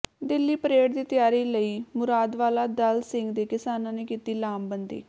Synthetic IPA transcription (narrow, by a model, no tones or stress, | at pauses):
d̪ɪlːiːpəɾeːʈd̪iːt̪ɪjaːɾiːləiːmʊɾaːd̪ʋaːlaːd̪əlsɪ̃ŋɡd̪eːkɪsaːnãːneːkiːt̪iːlaːmbənd̪ḭː